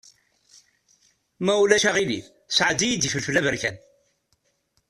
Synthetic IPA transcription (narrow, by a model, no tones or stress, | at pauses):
mæulæʃæʁilḭ | sʕd̪ijid̪ifəlfəlævəɾkæn